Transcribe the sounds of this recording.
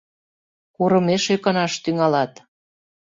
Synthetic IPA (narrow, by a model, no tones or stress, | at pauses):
kuɾə̆meʃøkə̆nɑʃt̪yŋɑlɑt̪